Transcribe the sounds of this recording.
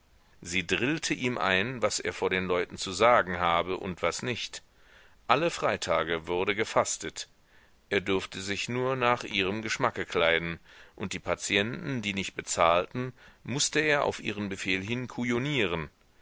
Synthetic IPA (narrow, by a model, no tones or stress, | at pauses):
ziːdʁɪltʰəʔiːmʔa̰ɪnvasʔḛːɐfoːɐɾeːnlɔʏtn̩t͡suzaːɡŋ̩ɦaːbəʔʊ̰ntv̥asnɪçt | ʔaləfʁ̥aɪtʰaːɡəvʊɐdəɡəfastət | ʔeːɐdʏɐftəzɪçnuːɐnaːχʔiːʁəmɡəʃmakəkʰl̥aɪdn̩ʔʊnt̚d̥iːpʰat͡sjɛntn̩diːnɪçt̚b̥ət͡saːltn̩mʊstəeːɐʔa̰ʊfʔḭːʁ̞ənbəfeːlɦɪnkʰujoniːʁ̞ən